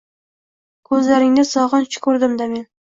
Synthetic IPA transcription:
kʰɵzlaɾɪŋd̪asɒʁɑnt͡ʃʰɪ̥kʰɵɾd̪ɪmd̪ame̞n

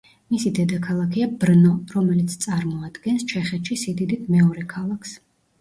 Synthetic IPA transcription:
misid̪ɛd̪akʰalˠakʰiabɾnɔɾɔmɛlit̪sʰt̪sʼaɾmɔad̪̥ɡɛnst͡ʃʰɛχɛt̪ʃisid̪id̪it̪̚ʰmɛɔɾɛkʰalˠakʰs

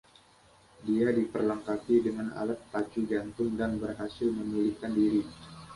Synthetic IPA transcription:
diadipərlaŋkapidəŋanʔa̰lat̪̚ːat͡ʃud͡ʒant̪ʊŋdanbərɦasɪlməmilikandiɾi

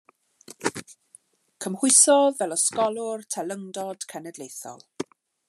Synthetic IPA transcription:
kʰəmhʊɨsɔvɛlɔskɔlˠʊrtʰɛlˠəŋdɔd̥kʰɛnɛdlejθɔ̰lˠ

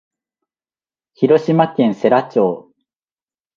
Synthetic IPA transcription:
çiɾo̞ɕimakẽ̞ɰ̃se̞ɾat͡ɕoː

